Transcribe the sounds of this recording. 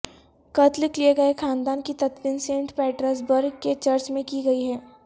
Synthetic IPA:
kɐt̪lɪklieɡɐexaːnd̪aːnkit̪ɐt̪ʋɪnsẽːɳʈpɛːʈɾəs̬bɐɾɡket͡ʃɐɾt͡ʃmẽkiɡɐiɦɛː

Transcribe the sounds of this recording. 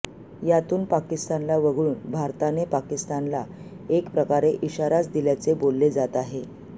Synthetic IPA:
jat̪uːnpakist̪anlaʋəɡʱɭuːnbʱaɾt̪anepakist̪anla | ekpɾəkaɾeʔiɕaɾat͡sd̪iljat͡sebolːed͡zat̪aɦe

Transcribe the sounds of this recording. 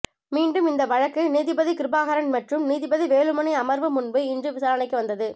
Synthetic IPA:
miːɳɖɯmɪnd̪ɐʋɐɻɐkːɯniːðɪbɐðikɪɾbaːɣɐɾɐnmɐʈrɯmniːðɪbɐðiʋeːɻɯmɐnɐɪɐmɐɾʋɯmʊnbɯɪndrɯʋɪsaːɾɐnɐɪkːɯʋɐnd̪ɐðɯ

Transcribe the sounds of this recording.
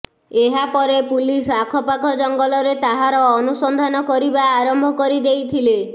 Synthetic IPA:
eɦapɔɾepulisakʰɔpakʰɔd͡ʒɔŋɡɔlɔɾet̪aɦaɾɔːnusɔnd̪ʱanɔkɔɾibaːɾɔmbʱɔkɔɾid̪ejt̪ʰile

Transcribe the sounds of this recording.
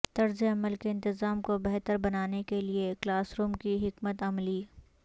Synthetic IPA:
t̪ɐɾzeɐməlkeɪ̃nt̪ɪzaːmkobɛɦt̪əɾbɐnaːnekelieklaːsɾuːmkiɦɪkmət̪ɐmliː

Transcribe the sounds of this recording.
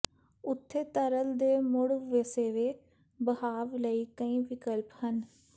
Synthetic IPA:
ʊt̪ʰːeːt̪əɾəld̪eːmʊɽʋeseːʋeː | bəhaːʋləiːkəĩːʋɪkəlphən

